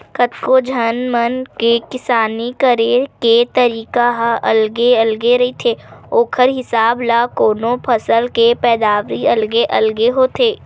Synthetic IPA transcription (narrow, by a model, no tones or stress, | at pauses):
kət̪kod͡ʒʱɐnmənkekɪsaːnikəɾeːket̪əɾiːkaɦʔɐ̰lɡeɐlɡeɾɐɦit̪ʰeːoːkʰəɾɦɪsaːblakoːnõpʰɐsəlkepɛːd̪aːʋɾiɐlɡeʔɐlɡeɦot̪ʰeː